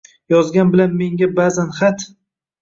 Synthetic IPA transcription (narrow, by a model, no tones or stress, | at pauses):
jɒzɡʲanbɪlanme̞ŋɡʲabazanχat̪